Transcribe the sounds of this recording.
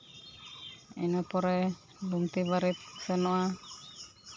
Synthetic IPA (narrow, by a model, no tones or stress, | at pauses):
inɔpɔɾɛ | bumt̪ibaɾit̪̚sɛnɔa